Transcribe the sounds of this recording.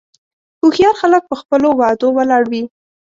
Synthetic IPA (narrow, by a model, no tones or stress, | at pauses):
kuxijɑɾxalək̚pəxpəlowɑd̪owəlɑɽwi